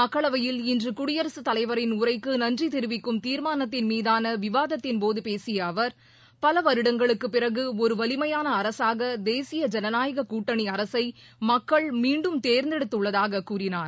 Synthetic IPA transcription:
ɐkːɐɭɐʋɐjɪlɪndrɯkʊɽɪjɐɾɐsɯt̪ɐlɐɪʋɐɾɪnʊrɐɪkːɯnɐndrit̪ɪɾɯʋɪkːɯmt̪iːɾmaːnɐt̪ːɪnmiːðaːnɐʋɪʋaːðɐt̪ːɪnpoːðɯpeːsɪjɐːʋɐɾ | pɐlɐʋɐɾɯɽɐŋɡɐɭɯkːɯpːɪrɐɣɯɔɾɯʋɐlɪmɐjaːnɐːɾɐsaːɣɐd̪eːsɪjɐd͡ʒɛnɐnaːjɐɣɐkuːʈːɐɳiɐɾɐsɐɪ | mɐkːɐɭmiːɳɖɯmt̪eːɾnd̪ɛɽɯt̪ːɯɭːɐðaːɣɐkuːrɪnaːɾ

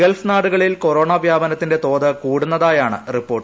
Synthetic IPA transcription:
elfnaːɽuɣɐɭilko̞ɾoːɳaːbʱjaːbɐnɐt̪ːinde̞t̪o̞ːðɨkuːɽunːɐðaːjaːɳɨ̰ripːo̞ːrʈ

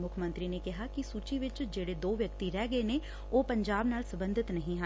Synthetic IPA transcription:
mʊkʰmə̃nt̪ɾiːneːkɪɦaːkɪsuːt͡ʃiːʋɪt͡ʃd͡ʒeːɽeːd̪oːʋjəkt̪iːɾɛːɡəeːneː | oːpəɲd͡ʒaːbnaːlsəbənd̪ʱɪt̪nəɦĩːɦa

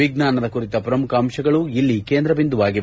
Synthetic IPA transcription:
iɡnaːnɐd̪ɐkuɾit̪ɐpɐɾɐmukaːmʃɐɡɐɭuilːikeːnd̪ɾɐbind̪uʋaːɡi

